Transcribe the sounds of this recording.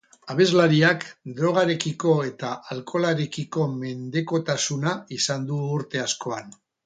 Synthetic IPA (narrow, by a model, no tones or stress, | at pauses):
aβ̞e̞zlaɾiakd̪ɾo̞ɣ̞aɾe̞kiko̞e̞t̪aʔalkʰo̞laɾe̞kiko̞me̞nd̪e̞ko̞t̪asunaisand̪uːɾt̪e̞asko̞an